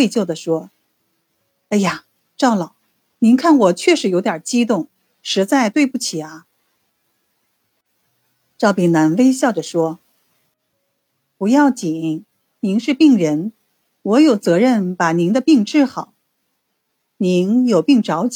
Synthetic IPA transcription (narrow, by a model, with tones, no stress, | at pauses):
e˥˧ɪt͡ɕjo˥˩ʊd̪ə˩ʂwɔ˥ | a˥˩ɪja˨˩ | ʈ͡ʂɑ˥˩ʊlɑ˨˩˦ʊ | ni˧˥nkʰa˥˩nwɔ˨˩t͡ɕʰɥɛ˥˧ʂɻ̩˧˥jo˧˥t̪jɑ˨˩t͡ɕi˥t̪̬ʊ˥˩ŋ | ʂɻ̩˧˥t͡sa˥˧ɪt̪we˥˧ɪpu˥˩t͡ɕʰi˨˩ɐ˦ | ʈ͡ʂɑ˥˩ʊpi˥˩ŋna˧˥nwe˥ɪɕ̬jɑ˥˩ʊʈ͡ʂə˩ʂwɔ˥ | pu˧˥jɑ˥˩ʊt͡ɕi˨˩˥ŋ | ni˧˥nʂɻ̩˥˧pi˥˩ŋɻə˧˥n | wɔ˧˥jo˨˩ʊt͡sɤ˧˥ɻə˥˩npa˨˩ni˧˥ŋd̪ə˧pi˥˧ŋʈ͡ʂɻ̩˥˩xɑ˨˩˦ʊ | ni˧˥njo˨˩ʊpi˥˩ŋʈ͡ʂɑ˧˥ʊt͡ɕ